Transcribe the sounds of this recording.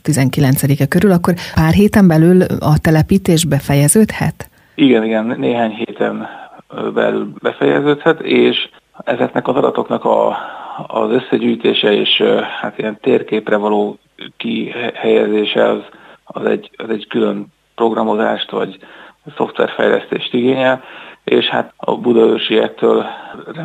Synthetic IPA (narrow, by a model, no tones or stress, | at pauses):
t̪izɛŋkilɛnt̪sɛd̪ikɛkøɾylɒkːo̞rpaːrɦeːt̪ɛmbɛlylɒt̪ɛlɛpiːt̪eːʒbɛfɛjɛzøːt̪hɛ̰t̪ | iɡɛniɡɛnːeːɦaːɲɦeːt̪ɛn | bɛ̰lylbɛfɛjɛ̰zøːt̪hɛt̪eːʃ | ɛzɛknɛkɒzɒd̪ɒt̪o̞knɒkɒ̰ː | zø̞sːɛɟyːjt̪eːʃɛeːʃhat̪ijɛnt̪eːrkeːprɛvɒloː | kihɛjɛzeːʃɛɒzɒzɛ̰ɟːɒzɛɟkylø̞m | pro̞ɡrɒmo̞za̰ːʃt̪vɒɟso̞ft̪ʋɛ̰rfɛ̰jlɛ̰st̪eːʃt̪iɡeːɲɛleːʃha̰t̪ɒ̰bud̪ɒørʃiɛk̚t̪øːlr